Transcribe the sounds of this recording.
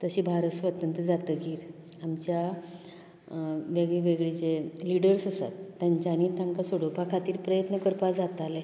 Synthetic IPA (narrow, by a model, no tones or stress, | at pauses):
t̪əɕiːbʱaɾəsʋət̪ənt̪əd͡zat̪əɡiːɾ | amt͡ɕja | ʋeɡɭeʋeɡɭit͡seliɽəɾsəsa̰t̪ːjaɲt͡ɕaniːt̪ãŋkasoɽopakʰat̪iːɾpɾəjət̪nəkəɾpad͡zat̪ale